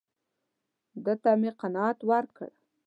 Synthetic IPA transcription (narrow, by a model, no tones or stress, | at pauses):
d̪ət̪ameqanɑat̪waɾ̚kə̰ɽ